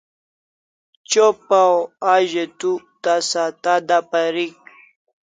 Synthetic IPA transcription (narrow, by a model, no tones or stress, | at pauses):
t͡ɕopawaʑet̪u | t̪asat̪ad̪apaɾik̚